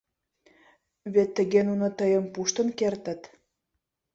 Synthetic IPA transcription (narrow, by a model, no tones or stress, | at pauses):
βet̪ːə̆ɣenunot̪əjə̆mpuʃt̪ə̆nkert̪ə̆t̪